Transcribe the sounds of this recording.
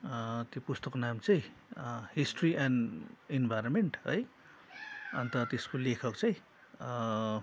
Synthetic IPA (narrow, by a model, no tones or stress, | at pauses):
t̪jopust̪ʌkonamt͡sʌĩhisʈriʔaninbʱajɾonmeɳʈɦʌj | ʌnt̪ʌt̪eskolekʰʌkt͡sʌĩ